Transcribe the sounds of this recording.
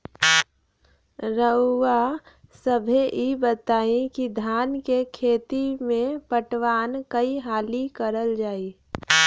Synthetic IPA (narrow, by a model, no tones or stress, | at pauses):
ɾəːasəbʱeʔibət̪aːẽkid̪ʱaːnkekʰeːt̪imẽpəʈʋaːnkəiɦaːlikəɾəld͡ʒaːi